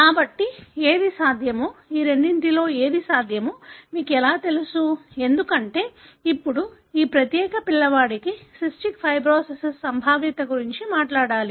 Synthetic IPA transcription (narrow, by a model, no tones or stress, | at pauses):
kaːbɐʈːieːd̪isaːd̪ʱjɐmuiːɾe̞ɳɖinʈ̪ilo̞ːeːd̪isaːd̪ʱjɐmumiːkɛlaːt̪e̞lusue̞nd̪ukɐɳʈe̞ːipːuɽu | iːpɾɐt̪jɛːkɐpilːɐʋaːɽikisisʈikpʰɐjbɾoːsesessɐmbʱaːʋit̪ɐɡuɾiɲt͡ʃimaːʈlaːɽaːli